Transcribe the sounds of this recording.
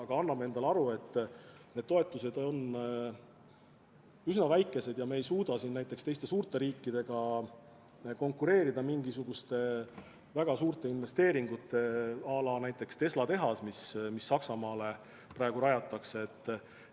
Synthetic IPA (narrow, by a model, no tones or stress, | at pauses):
ɑɡ̥ɑɑnːɑmee̞nd̪̥ɑleɑɾue̞t̪ˑːne̞d̪̥̚to̞e̞t̪ːˑuse̞d̪̥o̞n | ysnɑvæjkːˑe̞se̞d̪̥jɑmeejsuːd̪ɑsinnæjt̪ːˑe̞kst̪e̞jst̪e̞suːrt̪e̞ɾiːkːˑid̪̥e̞ɡ̥ɑ | ko̞ŋkːˑuɾe̞ːɾid̪̥ɑmiŋɡisuɡ̥ust̪e̞ | væɡ̥ɑsuːrt̪e̞inve̞st̪e̞ːɾiŋɡut̪ːˑe̞ɑlɑnæjt̪ːˑe̞kst̪e̞slɑt̪e̞ɦɑsmismisːɑksɑmɑːle̞ | pɾɑeɡ̥uɾɑjɑt̪ːˑɑkseːt̪ˑː